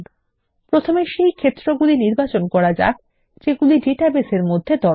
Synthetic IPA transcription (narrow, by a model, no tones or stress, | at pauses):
pɾot̪ʰomeʃejkʰet̪ːɾoɡuliniɾbat͡ɕonkɔɾad͡ʑa̰k̚ | d͡ʑeɡuliɖeʈabeseɾmod̪ʱːed̪ɔ